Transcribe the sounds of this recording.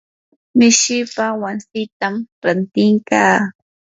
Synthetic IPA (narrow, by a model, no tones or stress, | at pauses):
mɪʃɪpawansɪt̪amɾant̪ɪŋkaː